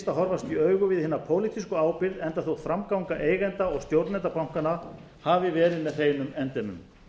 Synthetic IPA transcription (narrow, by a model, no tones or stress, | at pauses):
st̪aɦɔɾvast̪iœːɥɣʏvɪðhɪːnapʰoːwlit̪ʰiskʏaːwpɪɾðɛnt̪aθowfɾamkawŋkaʔeːjɣɛnt̪aɔɣst̪jowɾt̪nɛnt̪apawŋ̥kana | havɪvɛːɾɪðmɛðθeːjnʏmɛnt̪ɛmʏ̰m